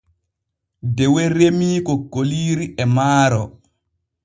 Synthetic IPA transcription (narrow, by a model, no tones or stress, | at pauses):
dɛwɛɾemiːkɔɡoliːɾiʔɛmaːɾɔ